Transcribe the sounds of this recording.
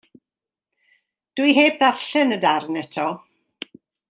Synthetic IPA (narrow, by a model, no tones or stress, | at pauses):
d̥wiɦeːbðarɬɛnədarnɛtʰɔ